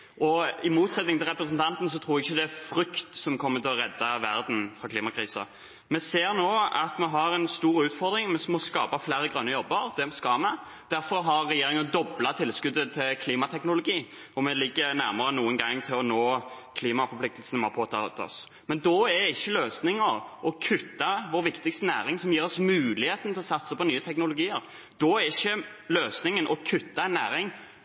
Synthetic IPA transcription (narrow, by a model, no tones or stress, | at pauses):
ʔɔɪmuːt̪sɛt̪nɪŋt̪ʰɪlʁɛpɾəs̬n̩t̪ʰɑnt̪n̩s̬ɔt̪ʰɾuːɾɛɪçːəd̪ɛæfɾʏkt̪sɔmkʰɔmːət̪ʰɪlɔʁɛd̪ːɑʋæɾd̪n̩fʁɑkʰliːmɑkʰɾiːsɑ̰ | mɛseːɾnoːɑ̰t̪mɛɦɑɾɛnst̪uːɾʉːt̪fɔɾd̪ɾɪŋmɛsmɔskɑːpɑflæːɾəɡɾœnːəjɔbːəɾd̪ɛmskɑmɛ | d̪̥æɾfɔɾɦɑɾːɛjeːɾɪŋənd̪ɔblɑt̪ʰɪlskʉd̪ːət̪ʰɪlkʰliːmɑt̪ʰɛknʊlʊɡiː | ɔmɛlɪɡːənæ̰ɾməɾənuːənɡɑŋːt̪ʰɪlɔnoː | kʰliːmɑfɔpʰlɪkt̪əl̩sən̩moːpʰoːt̪ʰɑt̪ʰɔ̰s | mɛnd̪ɔɛædɛɪçːəløːsnɪŋəɾʔɔkʰʉt̪ːɑʋɔːɾʋɪkt̪ɪkst̪ənæ̰ːɾɪŋsɔmjiːɾɔsmʉːlɪheːt̪ən̩t̪ʰɪlɔsɑt̪səpɔnyːət̪ʰɛknʊlʊɡiːəɾ | d̪̥ɔæɪçːə | løːsnɪŋənʔɔkʰʉt̪ːɑɛnːæ̰ːɾɪŋ